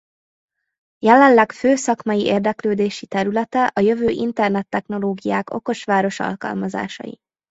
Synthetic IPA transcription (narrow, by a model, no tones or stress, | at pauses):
jɛlɛnlːɛkføːsɒkmɒjiʔeːrd̪ɛkløːd̪eːʃit̪ɛɾylɛt̪ɛʔɒjø̞vøːʔint̪ɛrnɛt̪ːɛxn̪o̞loːɡijaːko̞̰ko̞ʃʋaːɾo̞ʃɒ̰lkɒ̰lmɒza̰ːʃɒ̰jḭ